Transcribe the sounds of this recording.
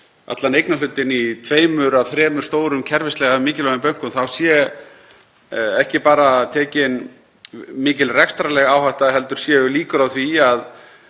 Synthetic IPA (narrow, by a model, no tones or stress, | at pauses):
a̰t̪lanejknalʏnt̪ːɪnit̪ʰveːjmʏɾawθɾɛːmʏɾ̥st̪oːwɾʏmcʰɛɾvɪst̪lɛɣamɪːcɪlvɛʏmpœɥŋ̥kʏmθawsjɛ | ɛhcɪpaːɾat̪ʰɛːcɪn | mɪːcɪlrɛkst̪ɾalɛɣawhaht̪aðɦɛl̪t̪ʏɾ̥sjɛʏliːkʏɾawθviað